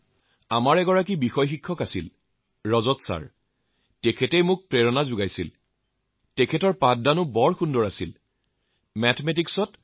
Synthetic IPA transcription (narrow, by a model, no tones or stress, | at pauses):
amaɹɛɡɔɹak̬ibixɔjxikʰːɔkasḭl | ɹɔzɔtsa̰ɹ | tɛkʰɛtejmʊk̚pɹeɹɔnazʊɡajsḭl | tɛkʰɛtɔɹpat̚danʊbɔɹxundɔɹasḭl | mɛtʰɔmɛt̬iksɔt